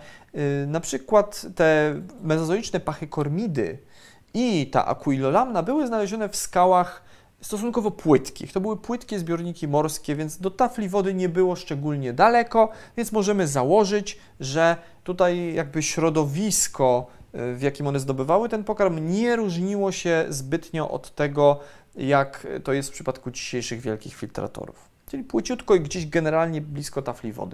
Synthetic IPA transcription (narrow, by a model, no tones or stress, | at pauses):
napʂɘkwat̪ːɛmɛzɔzɔlit͡ʂnɛpaxɘkɔɾmʲid̪ɘ̰ | it̪a̰ʔa̰kuilɔlamnabɘwɘznalɛʑɔnɛfskawax | st̪ɔs̬unkɔvɔpwɘt̪kʲḭxt̪ɔbɘwɘpwɘt̪kʲɛzbʲjɔɾɲikʲimɔɾskʲɛvʲjɛnt̪sd̪ɔt̪aflʲivɔd̪ɘɲɛbɘwɔʂt͡ʂɛɡulɲɛd̪alɛkɔvʲjɛnsmɔʐɛmɘzawɔʐɘt͡ɕ | ʐɛ | t̪ut̪ajjaɡ̚bɘɕɾɔd̪ɔvʲiskʰɔ | vjakʲimɔnɛzd̪ɔbɘvawɘt̪ɛnpɔkaɾmɲɛɾuʐɲiwɔɕɛzbɘt̪ɲɔʔɔ̰t̪ːɛɡɔ | jakt̪ɔjɛst̪fpʂɘpat̪kud͡ʑiɕejʂɘɣvʲjɛlkʲixfʲilt̪ɾa̰t̪ɔ̰ɾṵf | t͡ʂɘlʲipwɘt͡ɕut̪kɔiɡd͡ʑeʑɡɛnɛɾalɲɛblʲiskɔt̪aflʲivɔ̰d̪ɘ